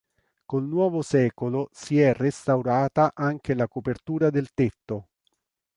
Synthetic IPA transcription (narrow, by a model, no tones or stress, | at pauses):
kolnwɔːvosɛːkolosiɛrest̪awɾaːt̪aʔaŋk̟elakopert̪uːɾad̪elt̪et̪ːo